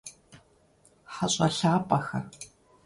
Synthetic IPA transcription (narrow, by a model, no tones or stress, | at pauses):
ħaɕʼɐɬaːpʼɐxɐr